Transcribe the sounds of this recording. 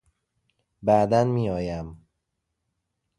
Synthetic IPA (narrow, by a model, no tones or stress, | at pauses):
bæd̪ænmiːɒːjæm